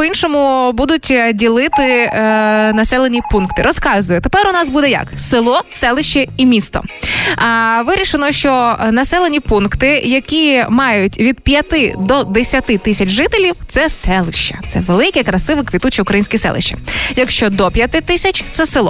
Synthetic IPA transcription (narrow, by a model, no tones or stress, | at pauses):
inʃɔmʊbud̪ʊtʲdʲilˠɪt̪ɪ | nɐsɛlˠenʲipunkt̪ɪɾɔskɑzʊjɛt̪epɛɾʊnɑsbud̪ɛjɐ̰ksɪlˠɔsɛlˠɪʃt͡ʃːɛimʲist̪ɔ̰ | ʋɪɾʲiʃenɔʃt͡ʃɔnɐsɛlˠenʲipunkt̪ɪjɐkʲimɑjʊtʲʋʲid̪̚pʲjɐt̪ɪd̪ɔd̪esʲɐt̪ɪt̪ɪsʲɐt͡ʃʒɪt̪elʲiwt̪sɛsɛlˠɪʃt͡ʃːɛt̪sɛ̰ʋelˠɪkɛkɾɐsɪʋɪkʋʲit̪ut͡ʃiʊukɾɐjinʲsʲkʲisɛ̰lˠɪ̰ʃt͡ʃːɛ̥̰jɐkʃt͡ʃɔd̪ɔpʲjɐt̪ɪt̪ɪsʲɐt͡ʃʲt̪sɛsɪlˠɔ